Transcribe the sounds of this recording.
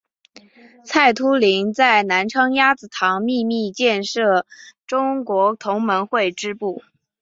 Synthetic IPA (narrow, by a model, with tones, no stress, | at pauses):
t͡sʰa˥˩ɪt̪ʰu˥li˧˥ŋt͡sa˥˩ɪna˧˥nʈ͡ʂʰɤ˥ŋja˥t͡sɹ̩˨˩t̪ʰɑ˧˥ŋmi˥˧mi˥˧t͡ɕjɛ˥˧nʂɤ˥˩ʈ͡ʂʊ˥ŋkwɔ˧˥t̪ʰʊ˧˥ŋmə˧˥nxwe˥˩ɪʈ͡ʂɻ̩˥pu˥˩